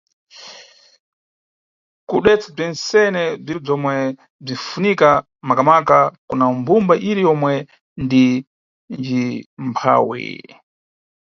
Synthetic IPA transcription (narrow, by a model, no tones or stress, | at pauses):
kuɗwɛt͡sab͡ʐɛnsɛnɛb͡ʐib͡ʐɔmwɛ | b͡ʐifunika | makamakakunambumbaʔiɾijɔmwɛ | ndi | nd͡ʒimpʰa̰wḭ